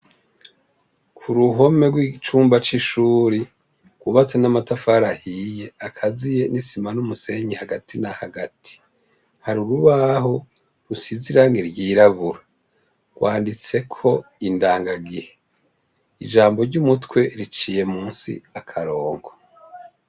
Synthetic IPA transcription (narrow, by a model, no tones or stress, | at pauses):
kʰuɾuɦo̞me̞ɡwit͡ʃuːmbat͡ʃiʃuːɾi | ɡ̥uβat͡senamatafaɾahije̞akʰazije̞nisimanumuse̞ɲihaɡatinahaɡatʰi̥ | haɾuɾuβaho | ɾusiziɾaŋɡiɾɟiːɾaβuɾa | ɡ̥waːndit͡se̞kʰo̞indaːŋɡaɡihe | ḭd͡ʒaːmbo̞ɾɟumutwe̞ɾit͡ʃiːje̞muːnsḭakʰaɾo̞ːɡo